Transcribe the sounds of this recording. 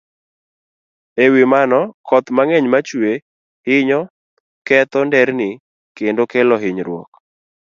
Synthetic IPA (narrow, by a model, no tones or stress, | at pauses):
ewimanɔkʰɔt̪maŋɛɲmat͡ʃwe | hɪɲɔ | kɛt̪ɔndɛɾnɪ | kendokɛlɔɦɪɲɾwɔ̰k